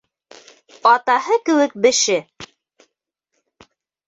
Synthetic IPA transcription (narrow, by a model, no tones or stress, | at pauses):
ɑt̪ɑhɤkɘ̆wɘk̚bɘ̆ʃɘ